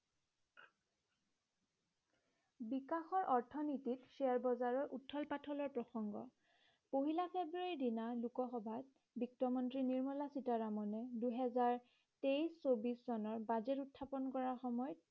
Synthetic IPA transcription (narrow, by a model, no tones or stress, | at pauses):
bikaxɔɹʔɔɹtʰɔnititsiaɹbɔzaɹɔɹʔutʰːɔlpatʰɔlɔɹpɹɔxɔŋɡɔ̰ | poɦilapʰebɹuaɹidinalukɔxɔbʱat̚ | bik̚tɔmɔntɹiniɹmɔlasitaɹamɔnɛduɦɛzaɹ | tejsːobiszɔnɔɹbazɛtutʰːapɔnkɔɹaxɔmɔjɔt̚